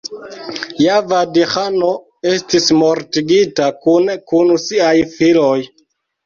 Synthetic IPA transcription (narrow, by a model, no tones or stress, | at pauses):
javadixano̞ | e̞stismo̞ɾtiɡitakunkunsiajfilo̞j